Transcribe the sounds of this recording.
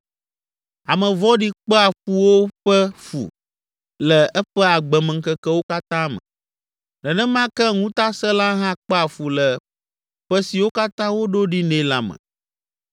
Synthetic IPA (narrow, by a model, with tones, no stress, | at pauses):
a˨mɛ̃˨vɔ˦ɖi˦k͡pɛ˦a˨ɸu˨wo˦ɸɛ˦fṵ˨ | lɛ˨ɛ˦ɸɛ˦a˨ɡ͡bɛ˨mɛ̃˨ŋ̩˨kɛ˦kɛ˦wo˦ka˦t̪ã˦mɛ̰̃˨ | nɛ˨nɛ̃˦mã˦kɛ˦ŋũ˦t̪a˦sɛ˦la˦ɦã˦k͡pɛ˦a˨fu˨lɛ˨ | ɸɛ˦si˨wo˦ka˦t̪ã˦wo˦ɖo˦ɖi˦nẽ˦la˨mɛ̰̃˨